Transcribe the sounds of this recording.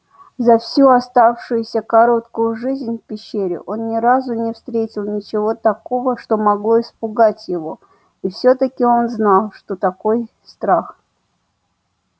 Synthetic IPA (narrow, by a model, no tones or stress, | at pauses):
zɐfsʲuɐst̪afʂʊjʊsʲəkɐɾo̞t̪kʊjʊʐɨzʲnʲfʲpʲɪɕːeɾʲɪ̰ʔo̞nnʲɪɾazʊnʲɪfst̪ɾʲetʲɪlˠnʲɪt͡ɕɪvo̞t̪ɐko̞vəʂt̪o̞mɐɡlˠo̞ɪspʊɡatʲjɪvo̞ | ifsʲot̪əkʲɪo̞nznalˠʂt̪o̞t̪ɐko̞j | st̪ɾax